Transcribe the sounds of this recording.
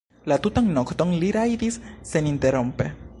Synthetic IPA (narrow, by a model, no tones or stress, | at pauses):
lat̪ut̪aŋnokt̪oŋliɾajd̪isːenint̪eɾompe